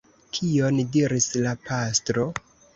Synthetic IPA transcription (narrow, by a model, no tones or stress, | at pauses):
kʰio̞ndiɾislapastɾo̞